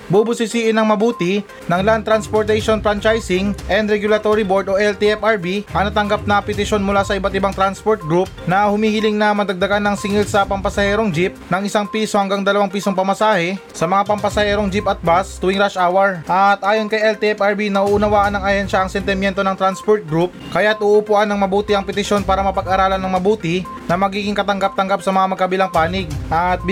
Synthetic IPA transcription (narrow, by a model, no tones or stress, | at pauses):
bubʊsɪsiːʔɪnɐŋmɐbuːt̪ɪ | nɐŋlant̪ɾanspoɹt̪ɛjʃonfɾant͡ʃajsɪŋʔɛnd̪ɾɛɡjʊlɐt̪oɾibo̞ɹd̪o̞ʔɛlt̪iɛpɐɹbiʔɐnɐt̪ɐŋɡap̚nɐpɪt̪ɪʃo̞nmʊlaːsɐʔɪbat̪ɪbaŋt̪ɾanspoɹt̪̚ɡɾup̚nɐhʊmiːhɪlɪŋnɐmɐd̪ɐɡ̚d̪ɐɡanːɐŋsɪŋilsɐpɐmpɐsɐhɛːɾoŋd͡ʒip̚nɐŋɪsaŋpiːso̞hɐŋɡaŋd̪ɐlɐwaŋpiːsoŋpɐmɐsaːhɛsɐmɐŋapɐmpɐsɐhɛːɾo̞ŋd͡ʒipɐt̪̚bast̪ʊwɪŋɾaʃʔawɐɹʔɐt̪ʔaːjo̞nkɐjʔɛlt̪ɛɛpɐɹbinɐʔuːʔʊnɐwaːʔɐnɐŋɐjɛnʃɐʔɐŋsɛnt̪ɪmjɛnt̪o̞nɐŋt̪ɾanspoɹt̪̚ɡɾup̚kɐjat̪ʔʊʔʊpʊʔanːɐŋmɐbuːt̪ɪʔɐŋpɛt̪ɪʃjo̞npaːɾɐmɐpɐɡaɾaːlɐnɐŋmɐbuːt̪ɪ | nɐmɐɡiːɡɪŋkɐt̪ɐŋɡap̚t̪ɐŋɡap̚sɐmɐŋamɐɡ̚kɐbɪlaŋpaːnɪɡ̚ʔɐt̪̚